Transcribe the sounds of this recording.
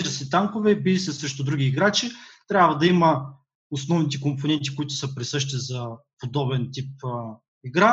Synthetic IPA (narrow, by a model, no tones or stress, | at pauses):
ʒəsɛt̪aŋkovɛbilisɛsɾɛʃt̪ʊd̪ɾuɡʲiːɡɾat͡ʃit̪ɾʲabvɐd̪ɐimɐ | osnɔvnit̪ɛkomponɛnt̪ikʊit̪ʊ̥səpɾɛsɤʃt̪izɐpod̪ɔbɛnt̪ip̚ | iɡɾa